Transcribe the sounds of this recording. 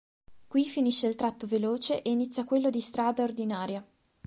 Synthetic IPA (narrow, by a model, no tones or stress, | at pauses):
kwifiniʃːeilt̪ɾat̪ːoveloːt͡ʃeʔeinit̪sjakwelːod̪ist̪ɾaːd̪aord̪inaːɾja